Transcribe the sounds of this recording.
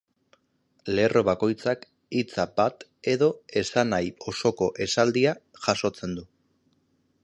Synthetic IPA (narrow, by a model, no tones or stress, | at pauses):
leːrʔo̞βako̞jt͡sak | it͡sabat̪e̞ðo̞e̞sanajo̞so̞ko̞ʔe̞sald̪iaʝaso̞t͡se̞nd̪u